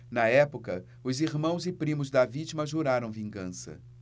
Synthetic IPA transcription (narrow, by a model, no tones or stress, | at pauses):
nɐɛpʊkɐ | ʊziɾmɐ̃w̃zɪpɾĩmʊzd̪ɐvit͡ʃimɐʒuɾaɾɐ̃w̃vĩŋɡɐ̃sɐ̰